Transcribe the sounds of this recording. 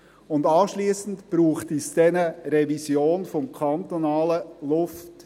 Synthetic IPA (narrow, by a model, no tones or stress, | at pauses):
ʊndɑːʃliːsn̩tb̥ɾuːχtisd̥ɛnəɾɛvisjoːnfɔmkʰɑnt̪onɑːləlʊft